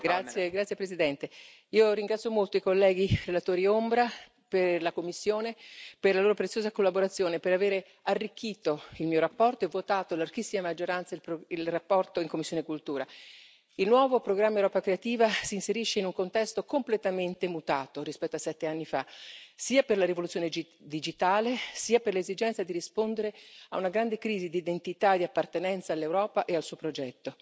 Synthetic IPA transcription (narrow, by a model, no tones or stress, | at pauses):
ɡɾat̪ːjeɡɾat̪sjepɾezid̪ɛnt̪e | iːoɾiŋɡɾat̪sjomolt̪oikolːɛːɡirelat̪oːɾiombɾa | perlakomːisːjoːneperlaloːɾopɾet̪sjoːzakolːaboɾat̪sːjoːnepeɾaveːɾe | arːik̟ːiːt̪oilmiːoɾapːɔrt̪oevːot̪aːt̪olark̟isːimamad͡ʒːoɾant̪sailpilrapːɔrt̪oiŋkomisːonekult̪uːɾa | ilnwɔːvopɾoɡɾamːaewɾɔːpakɾeat̪iːvasiːnseɾiʃːeinuŋkont̪ɛst̪okomplet̪ament̪emut̪aːt̪oɾispɛt̪ːoasːɛt̪ːeanːifasiːaperlaɾivolut̪sjoːned͡ʒ | d̪id͡ʒit̪aːlesiːaperlezid͡ʒɛnt̪sad̪iɾispond̪eɾea̰unaɡɾand̪ekɾiːzid̪id̪ent̪it̪ad̪iapːart̪enɛnt̪saːlːewɾɔːpaʔealsuːopɾod͡ʒɛt̪ːo